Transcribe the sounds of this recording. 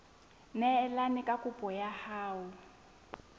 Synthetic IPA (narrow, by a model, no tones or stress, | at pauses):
nɛːlanikʼakʼupʼɔjahaːwu